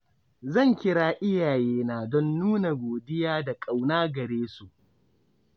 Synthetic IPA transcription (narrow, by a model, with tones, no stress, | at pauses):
zɐ˦˨ŋkʲɪ˦ɽaː˦ʔɪ˦jaː˨jeː˦naː˦˨dɔ˦nːuː˦na˨ɡʷoː˨dɪ˦jaː˦da˨kʼa˨wnaː˦ɡɐ˨ɽeː˦su˨ʔ